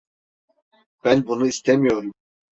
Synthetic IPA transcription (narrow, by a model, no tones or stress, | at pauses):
b̥ænbunuist̪ʰɛmijoɾum